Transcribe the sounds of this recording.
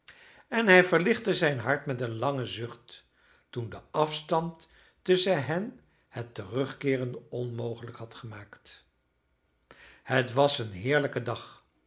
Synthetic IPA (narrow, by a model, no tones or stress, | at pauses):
ɛnɦɛjvəɹlɪχtəzɛjnɦɑɹtmɛtənlɑŋəzʏχtː | undəʔɑfstɑnt | ɵsəɦɛn | hətərɵχkɪːrəndɔnmowχələkhɑtχəmaːkt | hətʋɑsənɦɪːɹləkədɑχ